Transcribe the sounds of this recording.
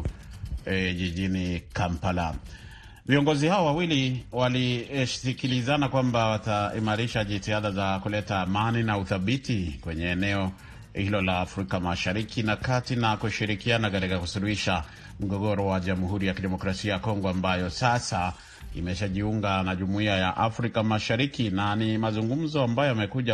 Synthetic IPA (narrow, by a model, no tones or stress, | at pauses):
ʄiʄinikampala | viɔŋɡɔzihaɔwawiliwalisikilizanakwambawataimaɾiʃaʄitiaðazakulɛtaːmaninauθaɓitikwɛɲɛːnɛɔ | hilɔlaːfɾikamaʃaɾikinakatinakuʃiɾikianakatikakusuluhiʃa | m̩ɡɔɡɔɾɔwaʄamuhuɾijakiɗɛmɔkɾasiajakɔŋɡɔambajɔsasa | ḭmɛʃaʄiuŋɡanaʄumuiajaʔafɾikamaʃaɾikinanimazuŋɡum̩zɔambajɔjamɛkuʄa